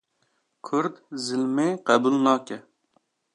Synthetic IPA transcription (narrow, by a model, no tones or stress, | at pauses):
kʲʰøɾd̪zɪlmɪqɛbulˠnɑːkʲɛ